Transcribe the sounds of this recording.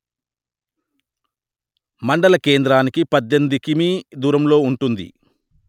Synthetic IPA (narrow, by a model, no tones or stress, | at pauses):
mɐɳɖɐlɐkeːnd̪ɾaːnikipɐd̪jend̪ikimid̪uːɾɐmlo̞ːuɳʈund̪ḭ